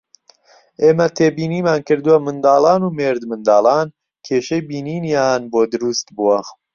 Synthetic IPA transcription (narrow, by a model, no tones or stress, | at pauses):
ʔeːmɐt̪ʰeːbiːniːmaːnkɨɾd̪ɨwɐmɨnd̪ɑːlɑːnuːmeːɾd̪mɨnd̪ɑːlɑːn | kʰeːʃejbiːniːnjaːnboːd̪ɨɾuːst̪buwɐ